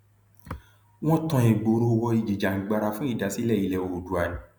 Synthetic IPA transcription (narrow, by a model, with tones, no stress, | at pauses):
w̃ɔ̃˦tɔ̃˧e˨ɡ͡bo˨ɾo˧wɔ˧i˨d͡ʒi˨d͡ʒa˨ŋ̩˨ɡ͡ba˧ɾa˧fũ˦i˦˨da˨˦si˦lɛ˦˨i˨˦lɛ˨o˨o˨du˨a˨nĩ˨˦